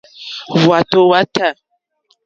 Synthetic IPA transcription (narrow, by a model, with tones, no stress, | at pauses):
vwa˨to˦wa˦tʰa˦˨